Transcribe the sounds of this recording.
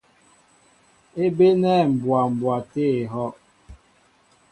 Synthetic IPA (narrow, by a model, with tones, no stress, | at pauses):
e˦be˦nɛ˦˨m̩˨bwa˨m̩˨bwa˨te˦e˨ɦɔ˦ʔ